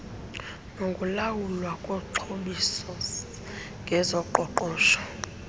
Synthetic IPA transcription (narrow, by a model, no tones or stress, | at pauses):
noŋkʼulawulwakʼɔǃʰoɓisɔ | ŋɡʱɛzɔǃɔǃɔːʃɔ̥